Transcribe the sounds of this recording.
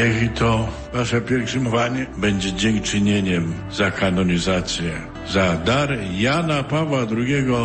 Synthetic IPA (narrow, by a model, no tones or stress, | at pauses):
jɛɡʲit̪ɔ | vaʂɛpʲjɛɾfʂɨmɔvaɲɛbɛɲd͡ʑɛd͡ʑɛŋkt͡ʂɨɲeɲɛm | zakanɔɲʲizat̪sʲjɛ | zad̪aɾjanapavwad̪ɾuɡʲɛɡɔ